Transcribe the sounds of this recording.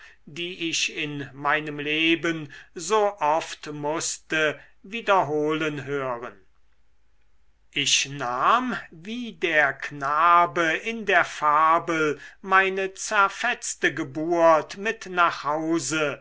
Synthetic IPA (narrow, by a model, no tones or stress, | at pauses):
diːɪʃɪnmaɪnəmleːbənzoːʔɔftmʊstə | viːdɐɦoːlənɦøːʁən | ʔɪʃnaːmviːdeːɐknaːbəɪndeːɐfaːbəlmaɪnət͡sɛɐfɛt͡stəɡəbuːɐtmɪtnaːχhaʊzə